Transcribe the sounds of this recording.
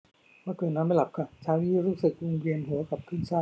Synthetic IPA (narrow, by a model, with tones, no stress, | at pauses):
maː˧˥˩kɤː˨˩n̚nɔː˧˦˥ma˥˩jla˨˩p̚kʰa˧˩t͡ɕʰaː˦˥wniː˥˩ɾuː˦˥sɯ˨˩k̚ɾo˧ŋɾi˧ənɦɯ˨˩˦ka˨˩p̚kʰɯː˥˩nsaː˥˩